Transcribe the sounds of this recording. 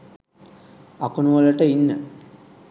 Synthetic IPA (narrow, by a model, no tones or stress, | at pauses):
akunuʋələʈəinːə̰